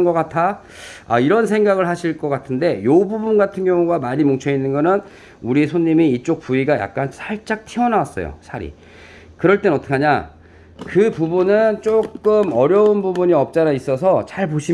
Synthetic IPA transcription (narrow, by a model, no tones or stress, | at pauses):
nɡʌk͈atʰa | a̰iɾʌnsʰe̞ŋɡaɡɯɭhaɕʰiɭk͈ʌk͈atʰɯnde̞jobubunɡatʰɯnɡjʌŋuɡamaɲimoŋt͡ɕʰʌinːɯnɡʌnɯn | uɾisʰoɲːimiit͡ɕ͈ok̚p͈uiɡaja̰k̚k͈ansʰaɭt͡ɕ͈ak̚tʰiʌnawas͈ʌjo̰sʰaɾḭ | kɯɾʌɭt͈enʌt͈ʰɯ̥kʰaɲa | kɯpubunɯnt͡ɕ͈okk͈ɯmʌɾjʌunbubuɲiʌp̚t͡ɕ͈aɾais͈ʌsʰʌt͡ɕaɭpoɕʰi